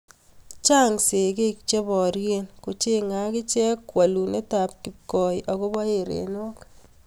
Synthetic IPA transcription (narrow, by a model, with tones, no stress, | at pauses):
t͡ʃa˦ŋse˨ke˦k̚t͡ʃe˦bɔ˨ɾje˦nko˨t͡ʃe˦ŋa˨˦kɪ˦t͡ʃɛ˦kːwa˨lu˨ne˦ta˨p̚ki˨p̚kɔ˨jʔɔ˨kɔ˦ba˦e˨ɾḛ˨no˦k